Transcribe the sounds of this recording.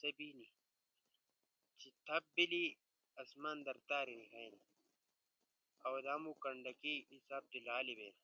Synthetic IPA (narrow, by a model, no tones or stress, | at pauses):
sɐbini | t͡ɕit̪ʰɐb̚bili | ɐsmand̪ɐɾt̪aːɾinikɐjni | ɐwd̪ɐːmukɐɳɖɐkiisab̚d̪ilaːlibḛːn